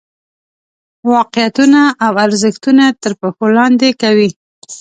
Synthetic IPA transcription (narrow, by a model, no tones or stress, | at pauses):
wɑqɪjat̪unaʔːwaɾzəxt̪unat̪əɾpaxolɑnd̪ekawi